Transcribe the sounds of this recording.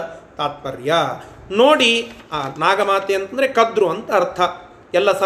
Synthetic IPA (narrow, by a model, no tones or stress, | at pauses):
t̪aːt̪̚pɐɾjɐ | noːɽianaːɡɐmaːt̪eːɐnt̪ɐnd̪ɐɾekɐd̪ɾuɐnt̪ɐːɾt̪ʰɐ | ɛlːɐsɐ